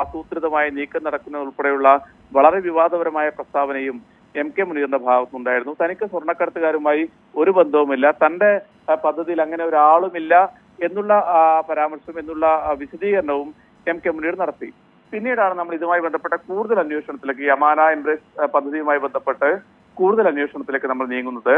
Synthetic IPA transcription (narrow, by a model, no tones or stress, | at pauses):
ɐsuːt̪ɾiðɐmaːjiniːkːɐnːɐɽɐkːunːɐðuɭpɐɽejuɭːɐ | ʋɐɭɐɾe̞ʋiʋaːd̪ʱɐʋɐɾɐmaːjɐprɐst̪ʰaːbɐnejum | e̞mkemunijːrnːɐbʱaːɣɐt̪ːuɳɖaːjiɾunːut̪ɐnikʲːɨswɐrɳɐkːɐɽɐt̪ːɐɣaːɾumaːji | o̞ɾube̞nd̪ʱɐʋumilːɐt̪ɐnde̞ | pɐd̪ʱːɐðijilɐŋːɐneo̞ɾaːɭumilːɐ | e̞nːuɭːɐpɐɾaːmɐrʂɐʋume̞nːuɭːɐʋiɕɐðiːɣɐɾɐɳɐʋum | e̞mkemuniːɽnɐɽɐt̪ːi | pinːijɽaːɳɨnɐmːɐɭiðumaːjibe̞nd̪ʱɐpːe̞ʈːɐkuːɽuðɐlɐnjo̞ːʂɐɳɐt̪ːileːk̬ːɨjɐmaːnaembrespɐd̪ʱːɐðijumaːjibe̞nd̪ʱɐpːe̞ʈːɨ | kuːɽuðɐlɐnjo̞ːʂɐɳɐt̪ːile̞kːɨnɐmːɐɭniːŋːunːɐðɨ